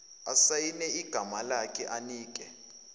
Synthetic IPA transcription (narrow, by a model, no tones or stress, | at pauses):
asajinɛiɡ̥ʱamalakʰʼɛʔaniːk̬ʼɛ